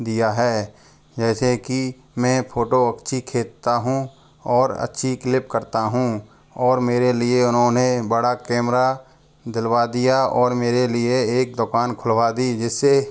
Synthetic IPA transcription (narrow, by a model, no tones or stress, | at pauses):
d̪ijaɦɛː | d͡ʒɛːseki | mɛ̃ːpʰoːʈoɐkʃʰikʰeːt̪t̪aɦũ | ɔːɾə̰tːʃʰiklɪpkəɾt̪aɦũ | ɔːɾmeːɾelɪeʊnɦõnebəɽakɛːmɾa | d̪ɪlwad̪ijaɔːɾmeːɾelɪeeːk̚d̪ʊkaːnkʰʊlʋad̪id͡ʒɪsːe